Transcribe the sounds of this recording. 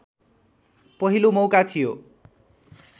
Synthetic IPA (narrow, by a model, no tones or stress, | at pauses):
pʌɦilomʌwkat̪ʰijo̰